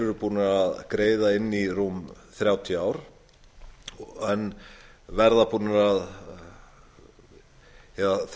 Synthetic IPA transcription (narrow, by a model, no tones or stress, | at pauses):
ʏɾʏpuːnaaðkɾeːjðaɪnːirumθɾjaːwt̪ʰiaːwɾ̥ | ɛnvɛɾðapuːnaɾað | hɛθ